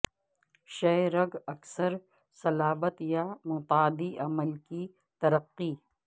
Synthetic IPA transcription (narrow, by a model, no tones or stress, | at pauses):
ʃɐɾɐɡɐksəɾ | sɐlaːbət̪jamʊt̪aːd̪iʔɐməlki | t̪ɐɾəqːiː